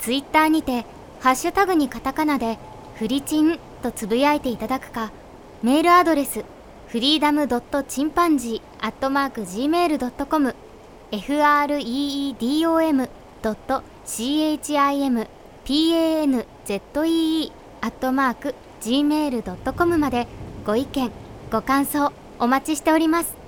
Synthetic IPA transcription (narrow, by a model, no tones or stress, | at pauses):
t͡sɨit̪ːaːɲ̟it̪e̞ | haɕːɨt̪aɡɯ̟ɲ̟ikat̪akanad̪e̞ | ɸɯ̟ɾʲit͡ɕĩn | t̪o̞t͡sɨbɯ̟jait̪e̞it̪ad̪akɯ̟̥ka | me̞ːɾɯ̟ad̪o̞ɾe̞sɨ | ɸɯ̟ɾʲiːd̪amɯ̟d̪o̞t̪ːo̞t͡ɕĩmpãɲ̟d͡ʑiː | at̪ːo̞maːkɯ̟ʑiːme̞ːɾɯ̟d̪o̞t̪ːo̞ko̞mɯ̟ | e̞ɸɯ̟aːɾɯ̟iːd̪ʲiːo̞ːe̞mɯ̟ | d̪̥o̞t̪ːo̞ | ɕiːet͡ɕiaie̞mɯ̟ | pʲiːeenɯ̟ | z̥e̞t̪ːo̞iː | at̪ːo̞maːkɯ̟ | d͡ʑiːme̞ːɾɯ̟d̪o̞t̪ːo̞ko̞mɯ̟mad̪e̞ɡ̥o̞ikẽ̞ŋɡ̥o̞kãɰ̃so̞ː | omat͡ɕiɕi̥t̪e̞o̞ɾʲimasɨ̥